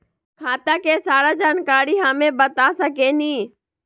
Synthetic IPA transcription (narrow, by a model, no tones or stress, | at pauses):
kʰaːt̪akeːsaːɾad͡ʒaːnkaːɾiɦamẽbət̪asəkeːniː